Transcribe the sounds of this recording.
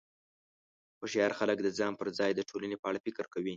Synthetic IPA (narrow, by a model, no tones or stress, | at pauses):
xoʃeaɾxaləkd̪əd͡zɑmpəɾd͡zɑjd̪əʈʰolanepəaɽafɪkɾkawi